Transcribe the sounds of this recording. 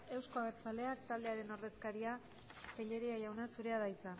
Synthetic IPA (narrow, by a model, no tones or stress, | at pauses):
e̞wsko̞aβeɾt͡sale̞akt̪ald̪e̞aɾe̞no̞re̞skaɾia | t̪eʎe̞ɾiajawnasuɾe̞aðajt͡sa